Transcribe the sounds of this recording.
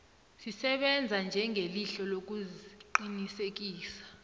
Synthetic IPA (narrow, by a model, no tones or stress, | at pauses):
sisɛɓɛnd͡zʱand͡ʒʱɛŋʱeliɬɔlok̬uziǃinisek̬iːsḁ